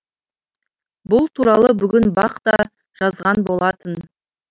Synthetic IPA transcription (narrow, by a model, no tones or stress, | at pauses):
bʊlˠt̪ʰuɾɑlˠəbʏɡʲɪnbɑqt̪ɑ | ʒ̥ɑzʁɑnbo̞lˠɑt̪ən